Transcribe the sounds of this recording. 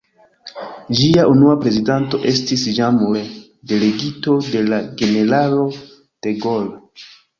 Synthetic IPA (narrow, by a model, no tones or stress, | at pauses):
d͡ʒiaʔunuapɾe̞zidanto̞ʔe̞stisd͡ʒamuɾe | de̞le̞ɡito̞de̞laɡe̞ne̞ɾalo̞ | d̥e̞ɡol